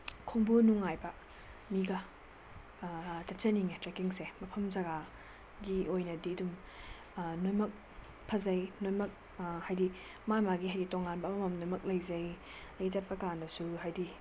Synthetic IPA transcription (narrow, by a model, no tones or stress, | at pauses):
kʰoŋbunuŋajbɐ | miɡɐ | tɐt͡ʃɐniŋetɾekiŋsemɐpʰɐmzɐɡa | ɡiojnɐdidum | nojmɐk̚ | pʰɐzɐjnojmɐk̚ | hajdi | mamaɡiɦajditoŋanbɐmɐmɐmnojmɐk̚lɐjzɐj | lɐjd͡ʒat̚pɐkandɐsuɦajdi